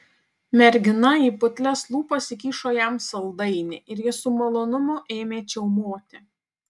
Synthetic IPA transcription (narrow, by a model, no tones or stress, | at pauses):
mʲɛɾʲɡʲɪnɐiːpʊt̪ʲlʲɛslˠuːpɐsʲɪkʲiːʃoːjɛmsɐlˠd̪ɐɪnʲɪʔɪɾjɪsʊmɐlˠoːnʊmʊʔeːmʲeːt͡ʃʲɛʊmoːt̪ʲɪ